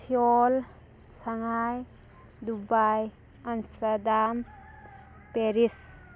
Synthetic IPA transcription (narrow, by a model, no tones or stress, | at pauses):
sʰiɔl | saŋaj | d̪ubaj | ansadam | peɾis